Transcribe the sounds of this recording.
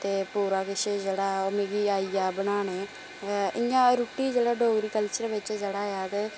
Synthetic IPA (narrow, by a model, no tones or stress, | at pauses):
t̪eːpuːɾaːkɪʃeːd͡ʒeːɽaːomeːɡiːaːiːaːbənaːneː | ɪjãːɾuːʈiːd͡ʒeːɽaːɖʱoːɡɾiːkəlt͡ʃəɾʋɪt͡ʃd͡ʒeːɽaːjaːt̪eː